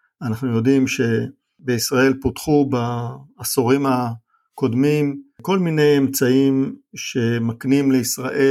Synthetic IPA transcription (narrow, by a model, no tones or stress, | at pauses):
anaχnujo̞dimʃe̞ | beisʁae̞lpotχubaːsoʁima | ko̞dmimko̞lmine̞jemt͡saimʃe̞maknimleisʁaʔe